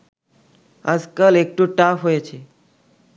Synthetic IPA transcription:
əd͡ʒkəlek̚ʈũʈafɦojet͡ʃʰe

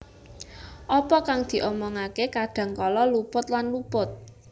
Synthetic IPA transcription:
ʔɔpɔkaŋd̪̥i̤ʔɔmɔŋakekaɖ̥ä̤ŋkɔlɔlupʊt̪̚lanlupʊt̪̚

